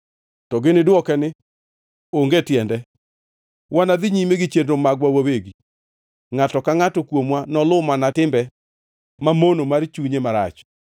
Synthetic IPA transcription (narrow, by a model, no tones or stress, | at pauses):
tɔɡɪnɪdwɔkɛnɪ | oŋɡetjɛndɛ | wʔanad̪ɪɲimeɡɪt͡ʃendomaɡwawoweɡi | ŋatɔkaŋatɔkwomwanɔlʊmanatɪmbɛ | mamonomart͡ʃuɲemaɾa̰t͡ʃ